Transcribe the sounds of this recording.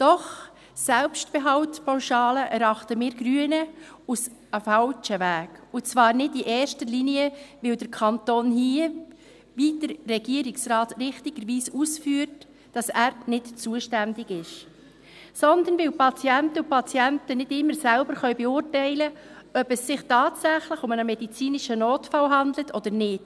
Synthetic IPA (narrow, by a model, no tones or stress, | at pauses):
d̥ɔχ | sɛlpʃtb̥ɛɦɑltpʰaʊʃɑːləʔɛɾɑχtəmɪːɾɡ̥ɾyənə | usəfɑlt͡ʃəʋæːɡʊt͡svɑːɾnɪdiʔɛːɾʃtəliniəʋɪld̥əɾkʰɑntoːnhiə | vid̥əɾːɛɡiəɾɪksrɑːtrɪχtɪɡ̥əɾʋiːsusfyːəɾt | d̥ɑsæːɾnɪtt͡suəʃtændɪɡɪʃ | sɔnd̪ənvɪwpɑt͡sjɛntəʊpʰɑt͡siɛntənɪdɪmːəɾsælbəɾχœʏbɛʊːrtɛɪləœbɛsːɪχtɑːtsæχlɪχʊmənəmɛdit͡siːnɪʃənoːtfɑlɦɑndlətʰɔd̥̪əɾnɪt